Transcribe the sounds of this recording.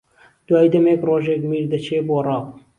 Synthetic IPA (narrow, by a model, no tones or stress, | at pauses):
d̪̥waːjd̪ɐmeːkroːʒeːkmiːɾd̪ɐt͡ʃʰeːboːrˤɑːp